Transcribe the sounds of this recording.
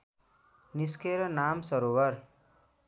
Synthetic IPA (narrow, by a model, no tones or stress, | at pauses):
niskeɾʌnamsʌɾowʌɾ